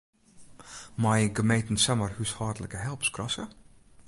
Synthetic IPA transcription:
mɑjəɡəmejtn̩sɛmərhyshɑːdələkəɦɛlˠpskrɑsə

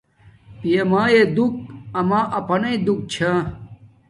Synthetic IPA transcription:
pijemaːjed̪uk̚ɐmaːʔɐpɐnɐid̪uk̚t͡ɕʰa

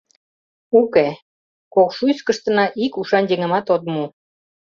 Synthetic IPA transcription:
uke | kokʃujskə̆ʃt̪ə̆nɑʔikuʃɑnjeŋə̆mɑt̪ot̪̚mu

